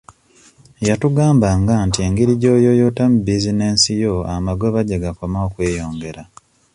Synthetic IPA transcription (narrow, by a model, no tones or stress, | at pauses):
jatuɡaːmbaŋɡantie̞ŋɡiɾiɟo̞ːjo̞jo̞ːtamubizine̞ːnsijo̞amaɡoβaɟeɡako̞maokwe̞ːjo̞ːŋɡe̞ɾa